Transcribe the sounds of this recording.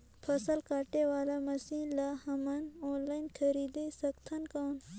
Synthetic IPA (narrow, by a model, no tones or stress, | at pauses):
pʰɐsəlkaːʈeʋaːlamɐsiːnlahɐmɐnõːnlaːinkʰɐɾiːd̪esɐkt̪ʰɐnkan